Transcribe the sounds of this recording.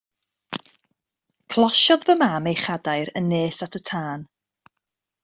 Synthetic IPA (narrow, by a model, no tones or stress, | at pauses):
kʰlˠɔʃɔðvəmamejχadajɾənːeːsatʰətʰaːn